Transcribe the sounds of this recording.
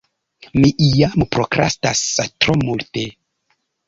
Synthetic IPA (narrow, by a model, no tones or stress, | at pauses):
miʔijampɾokɾa̰stastɾomulte